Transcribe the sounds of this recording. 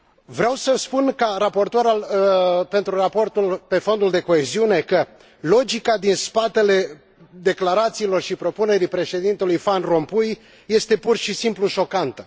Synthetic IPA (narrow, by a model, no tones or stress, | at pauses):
vɾeawsəspunkaɾapo̞rt̪oɾalpe̞nt̪ɾurapo̞rt̪ulpe̞fo̞nd̪uld̪e̞ko̞eziune̞kə | lo̞d͡ʒikad̪inspat̪e̞le̞ | d̪e̞klaɾat̪siːlo̞rʃipɾo̞pune̞ɾipɾe̞ʃe̞d̪int̪e̞lujfanro̞mpuj | je̞st̪e̞purʃisimpluʃo̞kant̪ə